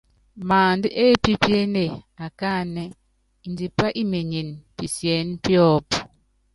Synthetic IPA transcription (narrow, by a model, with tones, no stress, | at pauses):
maː˨ndi˦ʔe˦pi˦pje˦ne˦˨a˨ka˦˨ne˦ | i˨ndi˨pa˦ʔi˦me˨ɲe˨npi˨sjɛ˨˦n˦pjɔ˦p